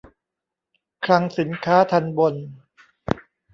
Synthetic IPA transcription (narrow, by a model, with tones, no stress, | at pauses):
kʰɾa˧ŋsi˩˦nkʰaː˦˥t̪ʰa˧nbo˧n